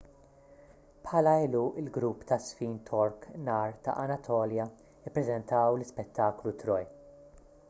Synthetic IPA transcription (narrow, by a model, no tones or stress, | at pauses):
pħɐlɐɪluʔɪlɡɾupːt̪ɐsfiːnt̪ʰɔɾknɐːɾt̪ɐ̰ʔɐnɐt̪ʰɔːljɐ | ɪpːɾɛzɛnt̪ɐwlɪspɛt̪ːɐːklut̪ɾɔj